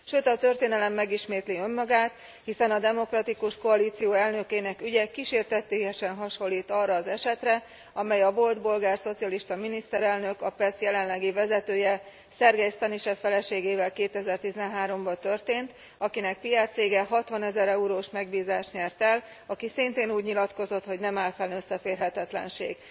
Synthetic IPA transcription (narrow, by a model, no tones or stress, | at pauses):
ʃøːt̪ɒt̪ø̞rt̪eːnɛlɛmːɛɡiʃmeːt̪liø̞mːɒɡaːt̪ | hisɛnɒd̪ɛmo̞krɒt̪ikuʃko̞ɒliːt̪sijoːɛlnø̞keːnɛkyɟɛkiʃeːrt̪ɛt̪ːeːjɛʃɛnɦɒʃo̞lːiːt̪ɒrːɒːzɛʃɛt̪rɛ | ɒmɛjɒvo̞ld̪bo̞lɡaːrso̞t̪sijɒliʃt̪ɒminist̪ɛɾɛlnø̞kɒpɛsjɛlɛnlɛɡivɛzɛt̪øːjɛ | sɛrɡɛjst̪ɒniʃɛfɛlɛʃeːɡeːvɛlkeːt̪ɛzɛrt̪izɛnɦaːɾo̞mbɒt̪ø̞rt̪eːnt̪ | ɒkinɛk̚pijart̪seːɡɛɦɒt̪ʋɒnɛzɛɾɛuɾoːʃmɛɡbiːzaːʃɲɛrt̪ɛl | ɒkisint̪eːnuːɟɲilɒt̪ko̞zo̞t̪ho̞ɟnɛmaːlfɛnːøsːɛfeːrɦɛt̪ɛt̪lɛ̰nʃḛːɡ